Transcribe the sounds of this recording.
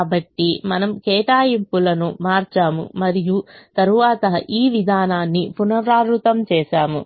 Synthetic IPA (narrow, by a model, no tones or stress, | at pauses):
aːbɐʈːimɐnɐmkɛːʈaːjimpulɐnumaːɾt͡ʃaːmṵmɐɾijut̪ɐɾuʋaːt̪ɐiːʋid̪ʱaːnaːnːipunɐʋɾaːɾɾut̪ɐmt͡ʃɛːʃaːmu